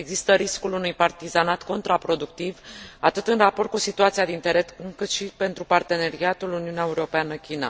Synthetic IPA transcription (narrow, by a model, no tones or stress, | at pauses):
e̞ɡzist̪əɾiskulunujpart̪izanat̪ko̞nt̪ɾapɾo̞d̪uk̚t̪ivat̪ɨt̪ɨnrapo̞rt̪̚kusit̪uat̪siad̪int̪eɾet̪ukɨt̪ʃipe̞nt̪ɾupart̪e̞ne̞ɾiat̪uluniuneaeuɾo̞peanəkʲina̰